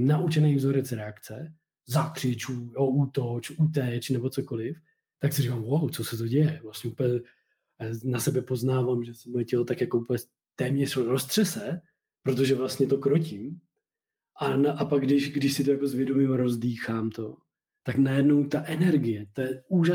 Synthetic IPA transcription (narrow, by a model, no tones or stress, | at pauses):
naʔut͡ʃɛnɛjvzoɾɛt͡sɾɛakt͡sɛ | zakr̝̥ɪt͡ʃuːjoʔut̪ot͡ʃut̪̬ɛt͡ʃnɛbo̞t͡soko̞lɪf | t̪aksɪrikaːmwawt͡sosɛt̪o̞ɟɛjɛvlast̪ɲɛupɛɲɛ | nasɛbɛpo̞znaːvaːmʒɛsɛmojɛcɛlot̪akjakoupɛ | t̪ɛːmɲɛroɾost̪r̥ɛsɛ | pɾot̪o̞ʒɛvlast̪ɲɛt̪o̞kɾocɪm | ʔanaʔapaɡ̚ɡdɪʃɡdɪʃsɪt̪ojako̞zvjɛdo̞mɪmɾo̞zdiːxaːmt̪o̞ | t̪aknajɛdnowt̪aʔɛnɛɾɡɪjɛt̪ojɛuːʒa